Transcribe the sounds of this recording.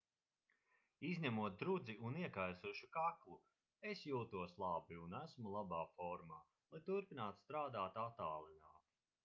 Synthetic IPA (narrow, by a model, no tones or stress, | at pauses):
izɲʲamuɔt̪̚d̪ɾud̪ziʔuniɛkajsuʃukaklˠu | esjuːt̪uɔslˠabiunæsmulˠabaːfɔɾmaː | lˠajt̪uɾpinaːt̪st̪ɾaːd̪aːt̪at̪aːlˠinaːt̪